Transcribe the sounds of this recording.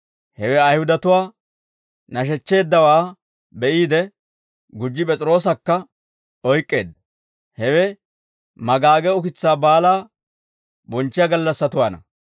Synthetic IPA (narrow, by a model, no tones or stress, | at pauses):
hɛwɛɐjhʊd̪ɐt̪ʊwaː | nɐʃ̬ɛt͡ʃːe̞ːd̪ːɐwaː | bɛʔiːd̪ɛ | ɡʊd͡ʒːɪpʼɛt͡sʼɪɾo̞ːs̬ɐkːɐ | ɔjkʼːe̞ːd̪ːɐ | hɛwɛ | mɐɡaːɡɛʊkɪt͡sːaːbaːlaː | bɔnt͡ʃːɪjɐɡɐlːɐsːɐt̪ʊwaːnɐ̰